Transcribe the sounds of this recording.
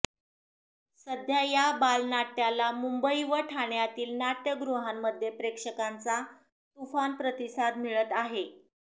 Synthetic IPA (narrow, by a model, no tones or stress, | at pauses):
səd̪ʱjajabalnaʈjalamumbəiʋəʈʰaɳjat̪iːlnaʈjəɡɾuɦamːəd̪ʱːjepɾekʂəkant͡sa | t̪ufanpɾət̪isad̪miɭət̪aɦe